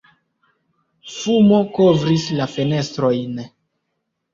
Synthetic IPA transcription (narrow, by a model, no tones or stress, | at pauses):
fumo̞ko̞vɾislafe̞ne̞stɾo̞jn